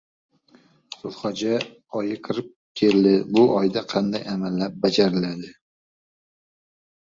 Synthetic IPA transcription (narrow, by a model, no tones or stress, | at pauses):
sʊlˠχɒd͡ʒa | ɒjɪqʰɨɾɪp̚ | kʲʰeɾd̪ɪbʊʔɒjd̪aqʰɑnd̪ajamalːap̚bad͡ʒaɾɪlad̪ɪ